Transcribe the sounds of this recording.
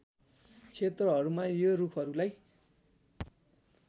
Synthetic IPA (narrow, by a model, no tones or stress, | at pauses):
t͡sʰet̪rʌɦʌɾumajorukʰʌɾulaj